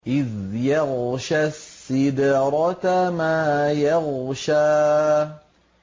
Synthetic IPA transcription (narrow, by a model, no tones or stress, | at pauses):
ʔɪðjɑɣʃasːɪd̪ɾˤɑtmaːjɑɣʃaː